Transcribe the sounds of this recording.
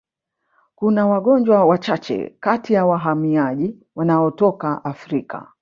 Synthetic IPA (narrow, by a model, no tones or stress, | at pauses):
kunawaɠɔnd͡ʒwawat͡ʃat͡ʃɛ̰katijawaɦamiaʄi | wanaɔtɔkaʔafɾika̰